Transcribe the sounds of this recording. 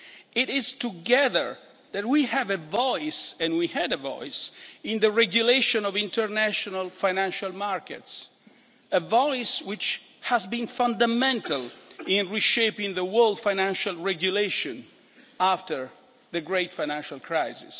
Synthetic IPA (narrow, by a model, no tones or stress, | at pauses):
ɪɾɪztuɡɛðə̰ɹ | ðæt̚wihɛvəvɔɪsɛ̃nwihɛdəvɔ̰ɪsɪ̃nd̪əɹɛɡjuleʃɔ̃nɔvĩntʰəɹnæʃɔnalfajnæ̃nʃalmaɹkɛ̰ts | əvɔɪswɪt͡ʃ | hæzbĩnfãnd̪amɛ̃ntalĩnɹiʃepĩŋðəwɜɹld̪fajnæ̃nʃalɹɛɡjuleʃɔ̃n | aftəɹ | ðəɡɹeɪtfajnæ̃nʃalkʰɹajzḭs